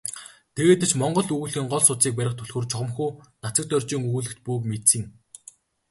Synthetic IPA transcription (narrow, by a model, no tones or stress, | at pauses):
t̪ʰeɣeːt̪ɘ̆t͡ɕmɔɴɢɞ̆ɮuɣuɮxiːŋɢɔɮsʊt͡siːk̚pæɾʲɪ̆χt̪ʰɵɮxŭːrt͡ɕʰɔʁɞ̆mxuːnat͡sə̆k̚t̪œrʲt͡ɕiːŋuːɮɘ̆xt̪puːkmet̪sɘ̆ŋ